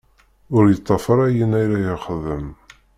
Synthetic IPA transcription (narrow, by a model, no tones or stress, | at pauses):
ʊɾjət̪ˤːɑfəɾˤæjənæjɾæjəχəðəm